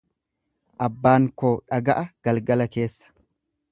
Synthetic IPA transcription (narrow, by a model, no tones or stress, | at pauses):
ʔɐbːaːŋkoːᶑɐɡɐʔɐɡ̥ɐlɡɐlɐke̞ːsːɐ̥